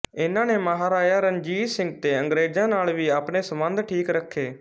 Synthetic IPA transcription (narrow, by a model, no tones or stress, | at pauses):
ɪnãːneːməɦaːɾaːjaːɾənd͡ʒiːsɪ̃ŋɡ̚t̪eːə̃ŋɡɾeːd͡ʒãːnaːlʋiːaːpneːsəmə̃nd̪ʈʰiːkɾəkʰːeː